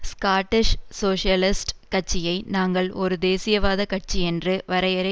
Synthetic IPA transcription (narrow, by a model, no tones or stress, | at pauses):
skaːʈːɪʂsoːʂɪjɐlɪsʈkɐʈ̚t͡ʃːɪjɐɪnaːŋɡɐɭɔɾɯd̪eːsɪjɐʋaːðɐkɐʈ̚t͡ʃːiɛndrɯʋɐɾɐɪɐɾɐ